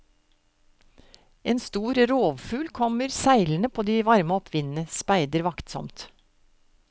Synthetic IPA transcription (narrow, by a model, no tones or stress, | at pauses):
ʔeːnst̪uːɾɾoːʋfʉːlkʰɔməɾsæɪlnəpʰoːd̪iːʋɑɾməɔpʰʋɪnn̩əspæɪd̪əɾʋɑkt̪sɔ̰mt̪